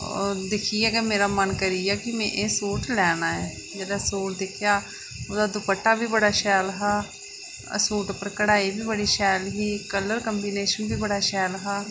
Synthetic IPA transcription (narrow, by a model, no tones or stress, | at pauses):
d̪ɪkʰiɛːɡɛːmeːɾaːmənkəɾijaːkɪmɛ̃ːʔeːsuːʈlɛːnaːɛː | d͡ʒɛːd̪aːsuːʈ̚d̪ɪkʰɪjaː | oːd̪aːd̪ʊpəʈːaːbʱiːbəɽaːʃɛːlɦa̰ː | suːʈpəɾkəɽaːiːbʱiːbəɽiːʃɛːlɦiːkələɾkəmbiːneːʃənbʱiːbəɽaːʃɛːlɦaː